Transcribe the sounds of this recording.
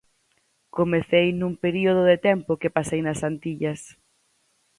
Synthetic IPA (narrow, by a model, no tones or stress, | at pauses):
komeθejnuŋpeɾioð̞ʊðet̪ɛmpʊkɪpasejnɐsant̪iʎɐs